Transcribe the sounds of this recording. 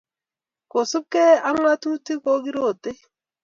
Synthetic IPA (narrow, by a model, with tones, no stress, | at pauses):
ko˨su˦p̚ke˦a˦ŋ˦a˦tu˦ti˦ko˦ki˦ɾo˦˨te˦